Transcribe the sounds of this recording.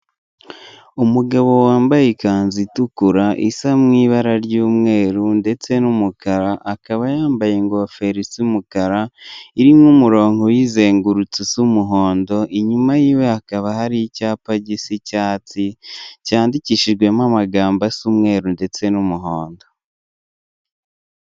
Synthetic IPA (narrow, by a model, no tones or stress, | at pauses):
umuɡaβo̞waːmbajekanzitukuɾaʔisamŋiːβaɾaɾɟuːmŋe̞ːɾunde̞t͡se̞numukaɾaʔːkaβajaːmbaje̞ŋɡofe̞ɾisimukaɾaiɾimŋumuɾo̞ːŋho̞jize̞ːŋɡuɾut͡susumuɦo̞ːndo̞ʔiɲumajiːwe̞akaβahaɾicaːpaɟisicaːt͡sicaːndiciʃiʒɡwe̞mamaɡaːmbasumŋe̞ːɾunde̞t͡se̞numuɦo̞ːndo̞